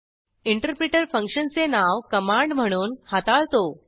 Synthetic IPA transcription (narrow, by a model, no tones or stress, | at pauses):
iɳʈəɾpɾeʈəɾfə̃ŋkʂənt͡senaʋkəmãɳɖm̤əɽ̃uːnhat̪aɭt̪o